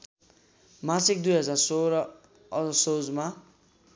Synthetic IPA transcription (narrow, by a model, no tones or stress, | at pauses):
masik̚d̪ujɦʌd͡zarsoɾʌ | ʌʌsod͡zma